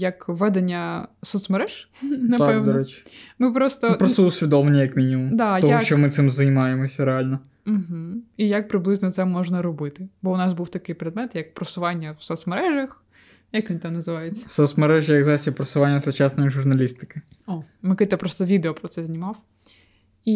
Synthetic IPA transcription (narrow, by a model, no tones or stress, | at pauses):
jɐkʋɛd̪enʲːɐsɔt̪smeɾɛʒ̥nɐt̪apɛwnɔɾɛt͡ʃʲmɪpɾɔst̪ɔpɾɔsuʊsʲʋʲid̪ɔmɪnʲːɐjɐkmʲinʲimumd̪ɑj̪ɔɦɔʃt͡ʃɔmɪt̪ɪmzɐjmɑjemɔsʲɐɾealʲnɔ | m̩ɦm̩ijɐk̚pɾɪblˠɪznɔt̪sɛmɔʒnɐɾɔbɪt̪ɪbɔʊnɑsbuwt̪ɐkɪjpɾed̪mɛt̪jɐk̚pɾɐsʊʋɑnʲːɐwsɔt̪smeɾɛʒɐx | jɐkʋʲinʲt̪ɛnɐzɪʋɑjet͡sʲːɐ̥sɔt̪smeɾɛʒɪjɐɡzasʲɐpɾɐsʊʋanʲːɐsʊt͡ʃasnɔjiʒʊrnɐlʲist̪ɪ̥kɪ | ɔ | mɐkɪt̪ɐpɾɔst̪ɔʋʲid̪eɔpɾɔt̪sɛzʲnʲimɑw | i